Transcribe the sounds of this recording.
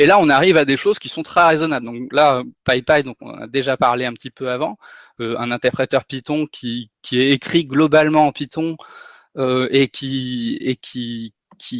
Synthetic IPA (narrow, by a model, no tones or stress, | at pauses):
elaɔ̃naʁivad̪eʃoz̥kʲisɔ̃t̪χɛʁezɔnabld̪ɔ̃klaøpajpajd̪ɔ̃kɔ̰̃nɑ̰̃na̰d̪eʒapaʁleɛ̃pət̪ipøavɑ̃ | øɛ̰̃nɛ̃t̪ɛʁpχet̪œʁpit̪ɔ̃kʲʰikʲiɛekχiɡlɔbalmɑ̃ːpit̪ɔ̃ | øekʲʰiekʲʰi | kʲʰi